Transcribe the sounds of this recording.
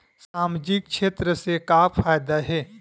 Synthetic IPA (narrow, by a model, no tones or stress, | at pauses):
saːmd͡ʒɪk̚ʃeːt̪ɾəsekafʰaːjd̪aɦɛː